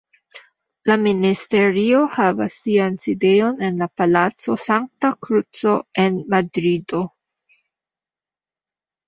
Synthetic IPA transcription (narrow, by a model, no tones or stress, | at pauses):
laministe̞ɾio̞havasːianside̞jo̞ne̞nlapalat͡so̞saŋk̚takɾut͡so̞e̞nmadɾido̞